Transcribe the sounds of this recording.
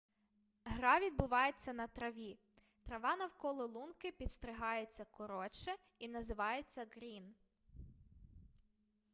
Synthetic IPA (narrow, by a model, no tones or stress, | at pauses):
ɦɾɑʋʲid̪̚bʊʋɑjet͡sʲːɐnɐt̪ɾɐʋʲi | t̪ɾɐʋɑnɐwkɔlˠɔlˠunkɪpʲit̪st̪ɾɪɦɑjet͡sʲːɐkɔɾɔt͡ʃɛ | inɐzɪʋɑjet͡sʲːɐɡɾʲin